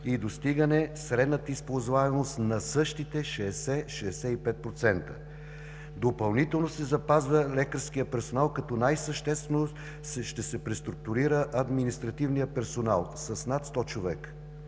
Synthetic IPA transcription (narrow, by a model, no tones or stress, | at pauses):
id̪ost̪iɡənɛsɾɛd̪nət̪əispozvaɛmost̪nɐsɤʃt̪it̪ɛʃɛːsɛʃɛːsɛipɛt̪̚pɾot̪sɛnt̪ə̰ | d̪opɐlˠnit̪ɛlˠnosɛzɐpazvəlɛkəɾsk̟ijəpɛɾsonalˠkɐt̪ɔnajsɐʃt̪ɛst̪vɛno | sɛʃt̪ɛsɛpɾɛst̪ɾuk̚t̪uɾiɾəʔɐd̪minist̪ɾɐt̪ivnijəpɛɾsonalˠsɐsnat̪st̪ɔt͡ʃovɛk